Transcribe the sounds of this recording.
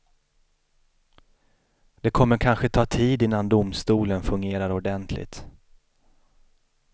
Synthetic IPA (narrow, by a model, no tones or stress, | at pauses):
d̪̥ɛkʰɔmːəɾkʰanɧət̪ʰɑːt̪ʰiːd̪ɪnːand̪ʊmst̪uːlənfɵŋɡeːɾaɾɔɖɛnt̪ʰlɪ̰t̪